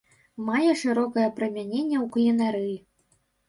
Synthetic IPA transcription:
majɛʂɨɾɔkɐjɐpɾɐmʲanʲenʲːɛwklʲinaɾɨj

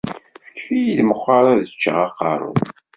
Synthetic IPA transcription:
fə̥kːfijilməχʷɑɾˤaðət͡ʃːə̰ʁɑqːɑ̰ɾˤʊ̰ð

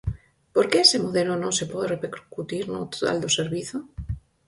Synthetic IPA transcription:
poɾkeesemoðelonõŋsepoðerepeɾɾkut̪iɾnot̪o̥t̪a̰ld̪oseɾβiθo

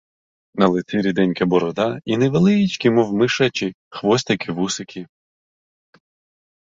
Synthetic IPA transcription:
nɐlˠɪt̪iɾʲid̪ɛnʲkɐbɔɾɔd̪ɑinɛʋelˠɪit͡ʃkʲɪmɔwmɪʃɐt͡ʃɪ | xʋɔst̪ɪkʰɪʋusekʲi

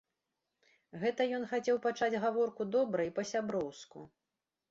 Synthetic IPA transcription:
ɣɛt̪ɐjɔnxat͡sʲɛwpat͡ʂad͡zʲɣavɔrkud̪ɔbɾɐjpɐsʲabɾɔwskṵ

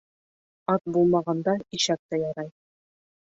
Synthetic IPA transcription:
ɑt̪̚bulˠmɑʁɑnd̪ɑiʃæk̚t̪æjɑɾɑj

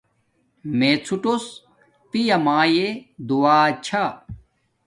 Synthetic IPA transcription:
meːt͡sʰuʈos | t̪ijɐmaːjed̪uwaːt͡ɕʰa

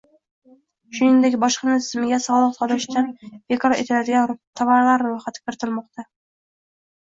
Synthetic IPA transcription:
ʃʊnɪŋd̪e̞kʲbɒʃqɑnɪt̪ʰɪzmɪɡʲasɒlˠɨqsɒd̪ɪɾɪʃt̪ʰanb̥e̞kʰɒɾḛt̪ʰɪlad̪ɪɡʲant̪ʰavaɾlaɾɾojχat̪ʰɪ̥kʲʰɪɾɪt̪ʰɪlˠmɒq̚t̪ʰa

